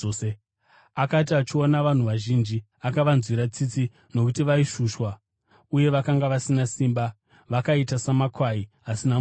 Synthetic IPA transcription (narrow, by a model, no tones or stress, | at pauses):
akat̬iat͡ʃio̞naʋan̤uʋaʒind͡ʒi | akaʋanzwiɾat͡sit͡si | no̞kutiʋaiʃuːʃwa | uje̞ʋakaŋɡaʋasinasiːmba | ʋakaitasamakʰwaiɦasina